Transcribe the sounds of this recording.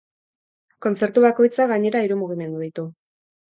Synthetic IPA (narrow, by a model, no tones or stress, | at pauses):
ko̞nt͡se̞ɾt̪uβ̞ako̞jt͡saɣaɲe̞ɾaiɾumuɣ̞ime̞nd̪uðit̪u